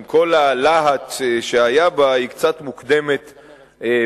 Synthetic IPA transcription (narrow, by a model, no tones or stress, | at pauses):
mko̞lalaɦat͡sʃeajabaikt͡sat̪mukd̪e̞me̞t̪